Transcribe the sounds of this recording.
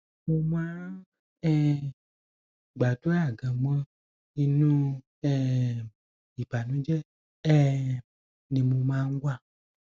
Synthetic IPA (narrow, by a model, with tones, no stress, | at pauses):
mo˧mãː˦ | ɛ˦ | ɡ͡ba˨du˦a˦˨ɡã˨mã˦ | i˧nũ˦ | ɛ˦˨ | i˨ba˨nũ˦d͡ʒɛ˦ | ɛ˦˨ | nĩ˨mõ˧mãː˨˦ŋ̩˦ɡʷa˦˨